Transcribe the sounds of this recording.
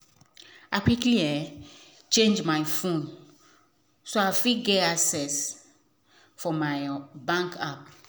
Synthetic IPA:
akikliɛ | t͡ʃẽnd͡ʒmajfũn | soafiɡeasɛs | fɔmajbãŋkap̚

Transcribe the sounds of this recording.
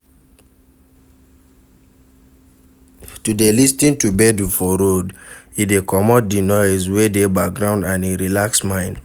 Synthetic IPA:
tudelistĩntubɛdufɔɾodidekɔmɔt̚dinɔɛzwedebak̚ɡɹãʊ̃ndãniɹilaksmãɪ̃n

